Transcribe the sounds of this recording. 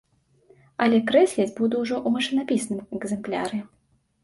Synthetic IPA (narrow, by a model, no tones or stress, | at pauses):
ɐlʲɛkɾɛsʲlʲɛd͡zʲbud̪uwʐɔʔumaʂɨnapʲisnɨmɛɡzɛmplʲa̰ɾɨ